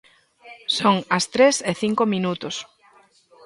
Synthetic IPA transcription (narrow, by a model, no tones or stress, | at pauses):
soŋɐst̪ɾeseθiŋkomĩnut̪ʊs